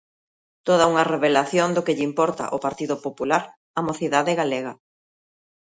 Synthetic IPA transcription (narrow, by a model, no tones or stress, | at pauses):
t̪oð̞ɐuŋɐreβelaθjond̪ʊkɪʎimpɔɾt̪ɐ̰ʔopaɾt̪iðʊpopulaɾ | amoθiðaðɪɣaleɣɐ